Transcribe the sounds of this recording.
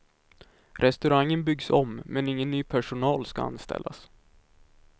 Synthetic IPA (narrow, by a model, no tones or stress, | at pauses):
ɾʔɛst̪ɵɾaŋːənbʏɡsɔmmɛnɪŋːənːyːpʰæʂʊnɑːlskaa̰nst̪ɛ̰lːa̰s